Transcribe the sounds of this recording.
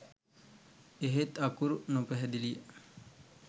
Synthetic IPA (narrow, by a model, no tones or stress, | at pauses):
eɦet̪ːɐkuɾunupɛɦɛd̪ilijə